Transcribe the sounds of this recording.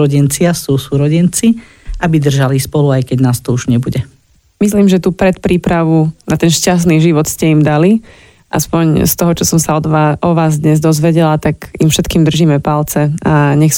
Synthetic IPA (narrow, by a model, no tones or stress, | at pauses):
ɾɔɟɛnt͡sɪasuːsuɾɔɟɛnt͡si | ʔabid̪r̩ʒalispɔluajkɛɟnaːst̪ɔuʒɲɛbuɟɛ | mis̬liːmʒɛt̪uːpɾɛt̪pɾiːpɾaʋunat̪ɛnʃcas̬t̪niːʒiʋɔt̪scɛimd̪ali | ʔa̰spɔɲst̪ɔɦɔt͡ʃɔsɔmsaɔd̪ʋaʔɔʋaːzd̪ɲɛzd̪ɔzʋɛɟɛlat̪aɡimfʃɛt̪kiːmd̪r̩ʒiːmɛpalt͡sɛaɲɛxs